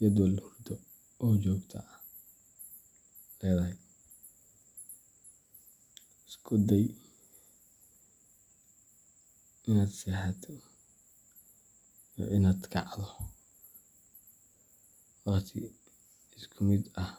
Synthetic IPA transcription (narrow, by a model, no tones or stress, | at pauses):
jɐd̪wɐlhʊrd̪ɔ | ɔːt͡ʃɔːɡt̪ʰɐ̰ | lɛːðɐɦɛj | ɪskʰʊd̪ɛj | ʔɪnaːd̪sɛːħɛt̪ʰ | jɔ̰ʔɪnaːd̪kʰɑ̰ʕðɔ | wɑχt̪ʰɪ̰ | ɪskʰʊmɪd̪ɐh